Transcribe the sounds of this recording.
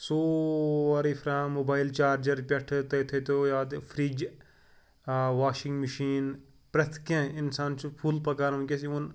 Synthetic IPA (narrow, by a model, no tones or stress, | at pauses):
soːɐɾifʰɾãːmoːbaːjilt͡ʃaːɾd͡ʒɐɾpʲɐʈʰt̪ɐt̪ʰɐt̪ojaːd̪fʰɾid͡ʒ | ʋaːʃɪŋɡmɐʃiːn | pɾɐt̪ʰkẽɪnsaːnt͡ʃʰupʰuːlpɐkaːɾũːkʲesiun